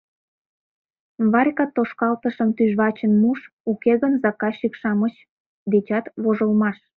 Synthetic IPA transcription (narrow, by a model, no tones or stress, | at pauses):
βɑrʲkɑt̪ːoʃkɑlt̪əʃəmt̪yʒβɑt͡ɕənmuʃ | ukeɣənzɑkɑʃikʃɑmət͡ɕ | d̪et͡ɕɑt̪βoʒəlmɑʃ